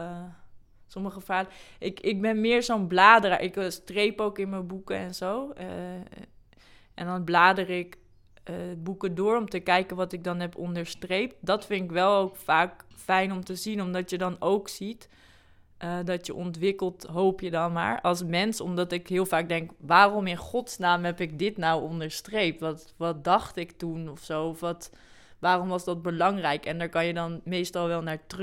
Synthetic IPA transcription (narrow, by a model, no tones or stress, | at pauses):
sɔməχəfaːləʔɪkɪk̚bɛnmɪːɹsonblaːdəra̰ɹʔɪkstrejpowkɪnməbukəɛnzow | ʔɛndɑnblaːdərɪkː | bukədʊːɹɔmtəkɛjkənʋɑtɪk̚dɑnɦɛpɔndəɹstrejp̚t̚dɑtfɪntɪkʋɛlˠowkfaːkfɛjnɔmtəzinɔmdɑtjədɑnowksit | ʔədɑtjəʔɔntʋɪkəlˠtɦowpjədɑnma̰ːɹɑlˠsmɛnsɔ̰mdɑtɪkɦɪːlˠfaːɡ̚dɛŋkʋaːrɔmɪnχɔtsnaːmɦɛpɪk̚dɪtnawɔndəɹstrejp̚tʋɑt | ʋɑt̚dɑχtɪktunɔfsowɔfʋɑt | ʋaːrɔmʋɑsdɑt̚bəlɑŋrɛjkɛndaːɹkɑnjədɑnmejstɑlˠʋɛlˠnaːɹtr